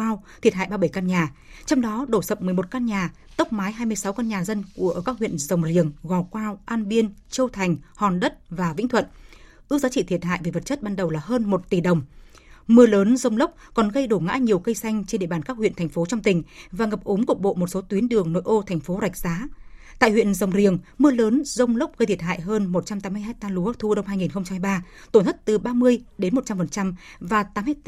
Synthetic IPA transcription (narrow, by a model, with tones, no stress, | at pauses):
aː˧wt̪ʰi˨˩t̚ɦa̰ː˧˨jɓaː˧ɓə˧˩jkaː˧nɲaː˨˩t͡ɕɔ˧wŋ͡mɗɔ˨˦ɗo˧˩sə˨˩p̚mɨ˨˩əmo˨˩t̚kaː˧nɲaː˨˩ | t̪ə˦˥wk͡p̚maː˨˦jɦaː˧jmɨ˧əjsa˨˦wkaː˧nɲaː˨˩zə˧nku˧˩əʔːkaː˦˥k̚hwḭ˧˨ənzə˨˩wŋ͡mzḭ˨˧˩əŋɣɔ˨˩kwaː˧wʔaː˧nɓi˧ənt͡ɕi˧wt̪ʰa˨˩jŋ̟hɔ˨˩nɗə˦˥t̚vaː˨˩vḭ˧˥ŋ̟t̪wə̰˧˨nʔɨ˧˦k̚zaː˨˦t͡ɕḭ˧˨t̪ʰi˨˩t̚ɦa̰ː˧˨jve˨˩və˨˩t̚t͡ɕə˦˥t̚ɓaː˧nɗə˨˩wlaː˨˩həː˧nmo˨˩t̚t̪i˧˩ɗə˨˩wŋ͡m | mɨ˧ələː˨˦nzə˧wŋ͡mlə˦˥k͡p̚kɔ˨˩nɣə˧jɗo˧˩ŋa̰ː˧˥ɲi˨˩əwkə˧jsa˧jŋ̟t͡ɕnɗḛ˧˨ɓaː˨˩nkaː˦˥k̚wḭ˧˨ənt̪ʰŋ̟fo˨˦t͡ɕɔ˧wŋ͡mt̪ï˨˩ŋ̟vaː˨˩ŋə˨˩p̚ʔʊ˨˦ŋ͡mkʊ˨˩k̚ɓo̰˧˨mo˨˩t̚so˨˦t̪wi˨˦ənɗɨ˨˩əŋno̰˧˥˨jʔo˧t̪ʰɛ˨˩jŋ̟fo˨˦za˨˩k̚zaː˨˦t̪a̰ː˧˨jhwḭ˧˨ənzə˨˩wŋ͡mzi˨˩əŋ | mɨ˧ələː˨˦nzə˧wŋ͡mlə˦˥wk͡p̚ɣə˧jt̪ʰi˨˩ə˩thɦa̰ː˧˨jɦəː˧nmo˨˩t̚t͡ɕa˧mt̪aː˨˦mɨ˧əjɦaː˦˥j̚t̪aː˧lu˨˦˥t̪ʰu˧ɗə˧wŋ͡mɦaː˧jŋi˨˩nxə˧wŋ͡mt͡ɕa˧mːha˧jɓaː˧t̪o˧˩nt̪ʰə˦˥t̚t̪ɨ˨˩ɓaː˧mɨ˧əjɗe˨˦nmo˨˩t̚t͡ɕa˧mfə˨˩nt͡ɕa˧mvaː˨˩t̪aː˨˦m˧a˦˥